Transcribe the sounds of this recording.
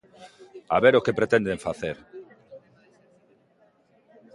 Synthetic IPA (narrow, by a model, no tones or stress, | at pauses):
a̰βeɾokepɾet̪ɛ̃nd̪eɱfaθeɾ